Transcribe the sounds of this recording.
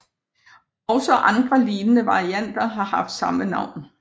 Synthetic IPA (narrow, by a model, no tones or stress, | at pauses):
ɒʊsɒʔɑ̈nd̥ʁɐliːnənəʋɑ̈ʁiæn̰d̥ɐɦɑ̈hɑ̈fd̥sɑ̈mənɑ̈ʊ̰n